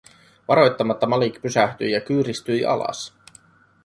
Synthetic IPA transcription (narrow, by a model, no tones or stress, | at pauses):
ʋɑɾo̞jt̪ːɑmɑt̪ːɑmɑlikpysæht̪yjjɑk̟yːɾist̪yjʔɑ̰lɑ̰s